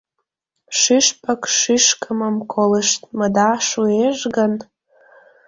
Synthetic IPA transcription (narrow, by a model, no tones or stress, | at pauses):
ʂɨʂpʼakʼʂiʂkʼamamkʷʼolɨʂtʼmadaʂueʒɡan